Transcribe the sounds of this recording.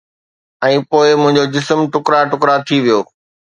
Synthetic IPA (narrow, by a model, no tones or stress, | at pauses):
ɛ̃ːpoːɪmʊ̃ɦɪ̃ɲd͡ʑod͡ʑɪsəmʈʊkɾaʈʊkɾat̪ʰiʋijoː